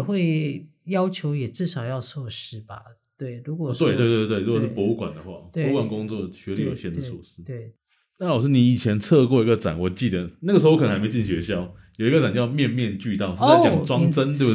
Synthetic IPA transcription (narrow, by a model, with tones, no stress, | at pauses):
xwe˥˩ɪjɑ˥ʊt͡ɕʰjo˧˥ʊjɛ˨˩ʈ͡ʂɻ̩˥˩ʂɑ˨˩ʊjɑ˥˧ʊsʰɔ˥˧ʂɻ̩˥ba̰˨˩t̪we˥˩ɪɻu˧˥kwɔ˨˩t̪we˥˧t̪we˥˧t̪wt̪we˥˩ɻu˦˥kɔ˨˩ʂɻ̩˥˩pwɔ˧˥u˥˩kwa̰˨˩nd̪ə˩xwa̰˥˩pwe˥˧˥kwa˨˩nkʊ˥ŋt͡swɔ˥˨˩ɕɥɛ˧˥li˥˩˨jo˨˩ɕjɛ˥˩nd̪ə˩sṵ˥˩ʂ̩˦˥te˥˩ | na˥˩wɔ˨˩ʂɻ̩˥˩ni˨˩i˨˩t͡ɕʰjɛ˧˦nt͡sʰɤ˥˧kwɔ˥˩i˧˥ɡə˧t͡sa̰˨˩˦nwɔ˨˩t͡ɕi˥˩d̪ə˧˦na˥˩ə˩˧˥ke˧ʊt͡ɕi˥˨˩ɕɥɛ˧˥ɕjɑ˥˩ʊ | jo˨˩i˧˥ɡə˧t͡sa˨˩nt͡ɕjmjɛ˥˧nmjɛ˥˧nt͡ɕy˥˧t̪ɑ˥˨ʊʂ̩˥a˥˨˩jɑ˨ŋʈ͡ʂwɑ˥ŋt͡sə˦nt̪we˥˧b